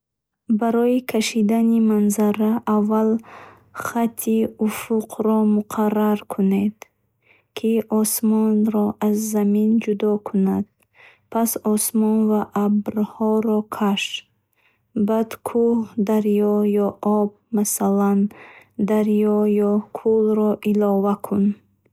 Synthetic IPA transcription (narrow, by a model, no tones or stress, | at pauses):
baɾɔikʰaʃid̪animanzaɾaʔːvːal | χat̪ʰːiufuqʰɾɔmuqʰaraɾkʰuned̪ | kʰiʔɔsmɔnɾɔʔazːamind͡ʒud̪ɔkʰunad̪̥̚ | pʰasɔsmɔnvaʔːbɾhɔɾɔkʰaʃ | bad̪kʰuhd̪aɾjɔjɔʔɔb̚ | masaland̪aɾjɔjɔkʰulɾɔʔilɔvakʰun